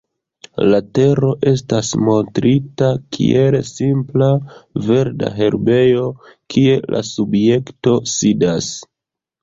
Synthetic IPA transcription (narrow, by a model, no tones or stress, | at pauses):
late̞ɾo̞ʔe̞s̬tasmo̞ntɾitakʰḭʔelsimplave̞ɾda̰ɦe̞ɾbe̞jo̞kʰie̞lʔa̰subje̞kto̞sidas